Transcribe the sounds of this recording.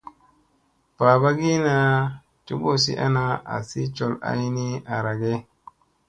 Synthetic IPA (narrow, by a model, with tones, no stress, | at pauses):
pa˨ba˦ɡi˦na˨ | t͡ʃu˦bo˦sḭ˦ʔa̰˦na˦a̰˨si˦t͡ʃo˦˨la̰˦jni˦a˨ɾa˨ɡe˦